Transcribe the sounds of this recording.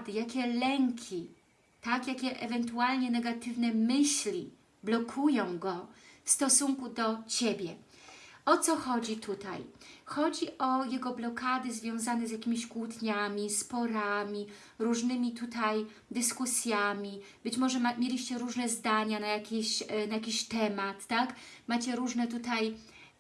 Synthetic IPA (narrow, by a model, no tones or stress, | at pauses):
d̪ɘjakʲɛlɛŋkʲʰi | t̪akjakʲɛʔɛvɛnt̪ualɲɛnɛɡat̪ɘvnɛmɘɕlʲi | blɔkʰujɔ̃w̃ɡɔfst̪ɔsuŋkud̪ɔt͡ɕebʲjɛ | ɔt̪sɔxɔd͡ʑit̪ʰut̪a̰jxɔd͡ʑiʔɔjɛɡɔblɔkad̪ɘzvʲjɔ̃w̃zanɛzjakʲimʲiɕkwut̪ɲamʲispɔɾamʲi | ɾuʐnɘmʲit̪ut̪aj | d̪ɘskusʲjamʲi | b̥ɘt͡ɕmɔʐɛmʲjelʲiɕt͡ɕɛɾuʐnɛzd̪aɲanajakʲeɕnajakʲiɕt̪ɛmat̪ːakmat͡ɕɛɾuʐnɛt̪ut̪aj